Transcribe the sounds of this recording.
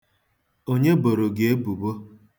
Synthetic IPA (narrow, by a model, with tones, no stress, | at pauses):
o˦ɲe˦bo˨ɾo˨ɡe˨˦e˦bu˨bo˦